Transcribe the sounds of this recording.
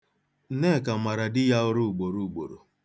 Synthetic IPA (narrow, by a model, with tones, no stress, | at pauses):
ne˦˨ka˨ma˨ɾa˨dɪ˦ja˦ʊ˦ɾʊ˦u˨ɡ͡bo˨ɾu˨u˨ɡ͡bo̰˨ɾo̰˨